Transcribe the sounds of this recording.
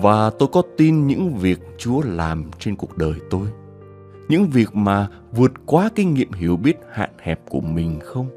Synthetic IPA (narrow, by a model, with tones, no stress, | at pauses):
vaː˨˩t̪o˧jkɔ˨˦t̪i˧nɲɨ̰˧˥ŋvi˨˩ək̚t͡ɕu˨˦əla̰ː˨˩mt͡ɕe˧nku˨˩ək̚ɗəː˨˩jt̪o˧j | ɲɨ̰˧˥ŋvi˨˩ək̚maː˨˩ | vɨ˨˩ət̚kwaː˨˦ki˧ŋ̟ŋḭ˧˨əmɦi˧˩əwɓi˦˥ət̚ha̰ː˧˨nhɛ˨˩p̚ku˧˩əmï˨˩ŋ̟xə˧wŋ͡m